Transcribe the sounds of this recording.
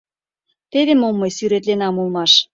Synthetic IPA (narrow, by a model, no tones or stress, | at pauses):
t̪eβemomːɤjsyɾet̪lenɑmulˠmɑʃ